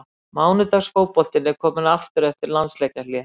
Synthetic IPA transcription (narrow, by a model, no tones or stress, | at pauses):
maːwnʏt̪asfoːwpɔl̥t̪ɪnɛɾkʰɔːmɪnaft̪ʏɾɛft̪ɪɾlant̪slɛcalia